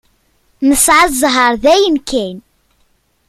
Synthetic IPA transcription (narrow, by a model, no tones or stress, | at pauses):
məsʕazˤɦəɾˤðæjənkæn